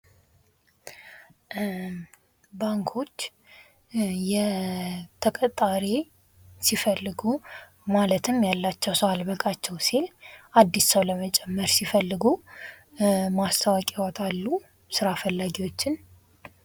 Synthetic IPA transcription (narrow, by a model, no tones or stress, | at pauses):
baŋkʰo̞t͡ʃː | jɛ | t̪ʰəkʼət̪ʼːaɾe | sifəlːɨɡu | malət̪ʰɨmjalːat͡ʃːɛwsəwalbəkʼat͡ʃːɛwsilʔad̪ːissəwləmət͡ʃʼɛmːəɾsifəlːɨɡu | mast̪ʰəwakʼiwɔt̪ʰʼalːu | sɨɾafəlːaɡiwo̞t͡ʃːɪn